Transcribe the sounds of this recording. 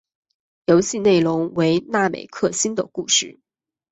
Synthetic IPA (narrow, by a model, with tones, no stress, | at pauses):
jo˧˥ʊɕi˥˧ne˥˩ɪlʊ˧˥ŋwe˧˥ɪna˥˩mḛ˨˩ɪkʰɤ˥˩ɕi˥nd̪ə˨ku˥˧ʂɻ̩˥˩